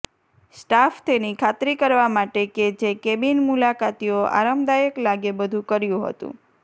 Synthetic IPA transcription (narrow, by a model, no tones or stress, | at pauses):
sʈaft̪enikʰat̪ɾikəɾʋamaʈeked͡ʒekebinmulakat̪ioa̰ɾəmd̪ajəklaɡebəd̪ʱũkəɾjũɦə̰t̪ṵ̃